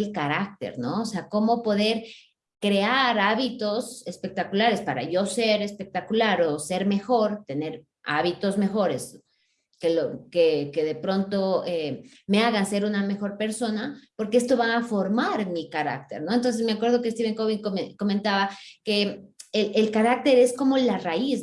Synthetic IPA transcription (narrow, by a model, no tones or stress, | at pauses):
lkaɾak̚t̪e̞̰ɾno̞oseako̞mo̞po̞ðe̞ɾ | kɾe̞aɾaβit̪o̞se̞spe̞k̚t̪akulaɾe̞spaɾa̰ʝo̞se̞ɾe̞spe̞k̚t̪akulaɾo̞se̞ɾme̞xo̞ɾt̪e̞ne̞ɾ | ʔa̰βit̪o̞zme̞xo̞ɾe̞s | kelokeke̞ðe̞pɾo̞nt̪o̞e | me̞aɣanse̞ɾuname̞xo̞ɾpe̞ɾso̞napo̞ɾkee̞s̬t̪o̞βaːfo̞ɾmaɾmikaɾa̰k̚t̪e̞̰ɾno̞ent̪ons̬e̞zme̞akwe̞ɾð̞o̞kest̪iβeŋkoβiŋkoko̞mẽnt̪aβake̞eelkaɾak̚t̪e̞ɾe̞sko̞mo̞larais